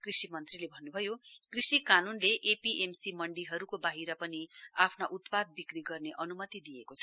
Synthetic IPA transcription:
krisimʌnt̪rilebʱʌnːubʱʌjokrisikanunleʔepiʔemsimʌɳɖiɦʌɾukobaɦiɾʌpʌniapʰnaʔut̪pad̪̚bikriɡʌrneʔʌnumʌt̪id̪ijekot͡sʰʌ̥

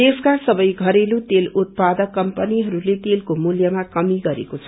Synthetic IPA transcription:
t̪eskasʌbʌjɡʱʌɾelut̪elut̪̚pad̪ʌkːʌmpʌniɦʌɾulet̪elkomuljʌmakʌmiɡʌɾḛkot͡sʰʌ

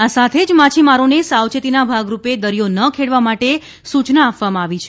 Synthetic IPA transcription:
asat̪ʰed͡ʒmat͡ʃʰimaɾonesawt͡ʃet̪inabʱaɡɾuped̪əɾjonəkʰeɽʋamaʈe | sut͡ʃnaːpʋamãaʋit͡ʃʰe̥

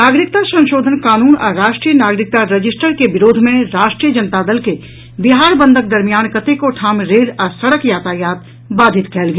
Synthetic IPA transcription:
naːɡɾɪk̚t̪asɐ̃nʃoːd̪ʱənkaːnuːnɔ̰ɾaːʃʈɾiːjənaːɡɾɪk̚t̪aɾɐd͡ʒɪsʈəɾkebɪɾoːd̪ʱmẽɾaːʃʈɾijəd͡ʒɐnt̪aːd̪əlke | bɪɦaːɾbə̃nd̪ʱək̚d̪ɐɾmijaːnkɐt̪ekoʈʰaːmɾeːɾɐsɐɽəkjaːt̪aːjaːt̪ | baːd̪ʱɪt̪kɛɦlɡː

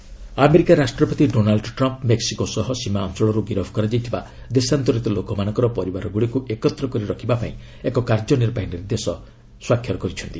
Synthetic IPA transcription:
ameɾikaɾasʈɾɔpɔt̪iɖonalɖʈɾɔmpmeksikosɔɦɔsimaɔnsɔɭɔɾuɡiɾɔbʱɔkɔɾad͡ʒajt̪ʰiba | d̪esant̪ɔɾit̪ɔlokɔmanɔ̃ŋkɔɾɔpɔɾibaɾɔɡuɽikuʔekɔt̪ɾɔkɔɾiɾɔkʰibapaĩ | ekɔkaɾd͡ʒɔniɾbaɦiniɾid̪esɔ | swakʰjɔɾɔkɔɾit͡ʃʰɔnt̪i

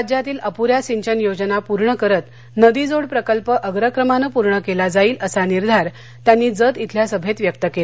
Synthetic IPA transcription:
d͡ʑjat̪iːləpuɾjasiɲt͡ɕənjod͡znapuɾɳəkəɾət̪ | nəd̪id͡zoɽpɾəkəlpəʔəɡɾəkɾəmanəpuɾɳəkelad͡zaiːləsaniɾd̪ʱaɾ | t̪janːiːd͡zət̪it̪ʰljasəbʱet̪ʋjək̚t̪əkela

